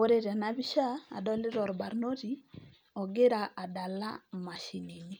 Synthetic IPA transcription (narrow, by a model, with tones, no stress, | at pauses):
o˦ɾe˦ɾi˨a˨nabi˦ʃa˦a̰˨dɔ˦lɪ˦ɾɔ˨ɾba˨ɾno˦ɾi˨ | ɔ˨ɡe˦ɾa˨ʔa˨da˨la̰˦ma˨ʃi˨ni˨ni˦